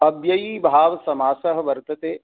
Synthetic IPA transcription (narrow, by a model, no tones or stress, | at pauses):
ɐbjɐjiːbʱaːʋsɐmaːsɐɦə̆ʋɐɾt̪ɐt̪eː